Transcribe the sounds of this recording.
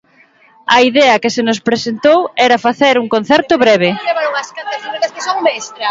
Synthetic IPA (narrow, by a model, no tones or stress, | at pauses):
ɐiðɛɐkɪsenospɾesent̪owɛɾɐfaθeɾuŋkon̟θɛɾt̪ʊβɾɛβ̞eleβaɾoŋɐskant̪ɐsiek̪ɐskesoŋbɛst̪ɾa